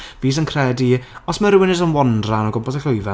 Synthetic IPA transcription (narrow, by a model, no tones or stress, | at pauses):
viːs̬ənkʰr̥ɛːdiɔsməɾwɪnɪsənwɔndranɔɡɔmpɔsaɬʊjva